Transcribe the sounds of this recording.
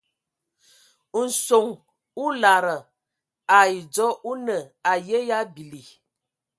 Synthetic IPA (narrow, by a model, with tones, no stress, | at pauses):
n̩˨so˨ŋ | u˦la˨ɾə˨ | a˨i˨d͡zɔ˦ʔu˦nə˨a˨je˦ja˦bi˨li˨